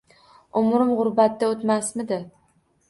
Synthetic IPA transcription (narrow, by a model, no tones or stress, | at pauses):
ʊmɾɪmʁʊɾbat̪̚ːaot̪masmɪd̪ɪ